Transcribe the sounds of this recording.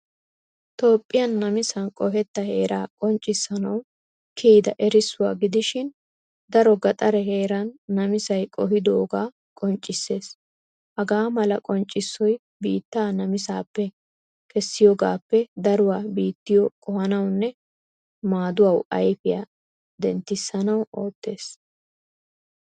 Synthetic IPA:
t̪o̞ːpʼːɪjɐnːɐmɪsɐnkʼɔɦɛt̪ːɐhe̞ːɾʔaːkʼɔnt͡ʃʼːɪsːɐnɐw | kʰiːd̪ɐʔɛɾɪsːʊwa̰ːɡɪd̪ɪʃɪn | d̪ɐɾɔɡɐt̪ʼɐɾɛɦe̞ːɾɐnːɐmɪsɐjkʼɔɦɪd̪oːɡaː | kʼɔnt͡ʃʼːɪsːe̞ːs | hɐɡaːmɐlɐkʼɔnt͡ʃʼːɪsːɔj | biːt̪ːaːnɐmɪsaːpːɛ | kɛsːɪjɔɡaːpːɛd̪ɐɾʊwaːbiːt̪ːɪjɔkʼɔhɐnɐwnːɛ | maːd̪ʊwɐwɐ̰jfɪja̰ | d̪ɛnt̪ːɪsːɐnɐwo̞ːt̪ːe̞ːs

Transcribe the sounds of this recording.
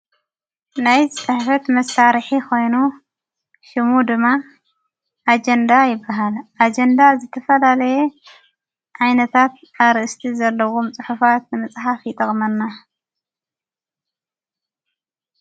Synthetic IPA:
najt͡sʼɨħfɐt̪mɐsaɾħikʰo̞jnu | ʃɪmud̪ɨmːa | ʔad͡ʒend̪ajɪbːaɦalʔad͡ʒend̪azɨt̪ʰɐfɐlalɐje | ʕajnɐt̪ʰat̪̚ | aβɾɨʔɨst̪ʰizɐlːɐwumt͡sʼɨħufat̪nɨmɨt͡sʼħafjɪt̪ʼɐkʼmɐnːa

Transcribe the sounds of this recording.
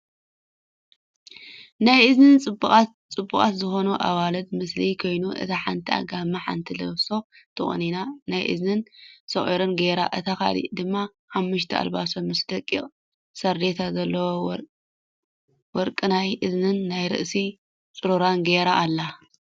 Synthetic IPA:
najɨznɨnt͡sʼɨbːuxʼat | t͡sʼɨbːuχʼa̰t̪zɨxonuʔa̰βalɐd̪̚mɨslikʰo̞jnuʔɨ̰t̪ʰaħant̪ʰia̰ɡamːaħa̰nt̪ʰilɐ̰βso̞t̪ʰɨχʼɨ̰ninanajʔɨ̰znɨnsɐχʼḭɾɨnɡeɾa̰ʔɨt̪ʰaka̰lḭʔd̪ɨmːa | ħamːɨʃ̬t̪ʰia̰lβasomɨsd̪ɐkʼːiχʼ | sɐɾd̪et̪ʰazɐlːɐwo | wɔɾkʼɨnajʔɨznɨnːajɾɨ̰ʔsi | t͡sʼɨɾoɾanɡeɾaʔːlːa

